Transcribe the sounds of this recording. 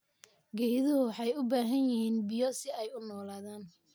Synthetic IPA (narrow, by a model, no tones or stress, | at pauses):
ɡɛjðʊʊwɑħɑjʊbaːɦɐnjɪhiːnbɪjɔsɪɛjʊnɔːlaːðaːn